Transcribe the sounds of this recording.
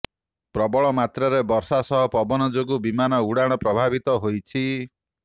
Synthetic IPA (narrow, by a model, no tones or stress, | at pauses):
pɾɔbɔɭɔmat̪ɾɔɾebɔɾsasɔɦɔpɔbɔnɔd͡ʒoɡubimanɔuɽaɽ̃ɔpɾɔbʱabit̪ɔɦojt͡ʃʰi